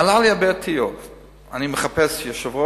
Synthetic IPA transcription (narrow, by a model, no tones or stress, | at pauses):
alaliabɛtʰiov | animəχapɛsjɔʃavo